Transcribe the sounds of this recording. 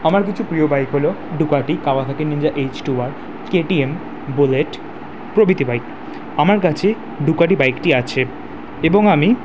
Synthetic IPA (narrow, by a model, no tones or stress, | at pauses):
amaɾkit͡ɕʰupɾiobajkɦoloɖukaʈikawat̪ʰakenːiɲd͡ʑaʔet͡ɕʈuaɾ | keʈiem | boleʈ | pɾobit̪ibajk | amaɾk̬at͡ɕʰe | ɖukaʈibajkʈiat͡ɕʰe | eboŋami